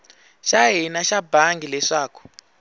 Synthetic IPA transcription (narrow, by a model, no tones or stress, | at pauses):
ʃaɦinaʃabaŋɡilɛʂaːku̥